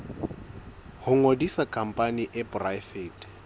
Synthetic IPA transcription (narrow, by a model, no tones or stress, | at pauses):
hʊŋodisakʼam̩pʼaniʔɪbrafeːtʼ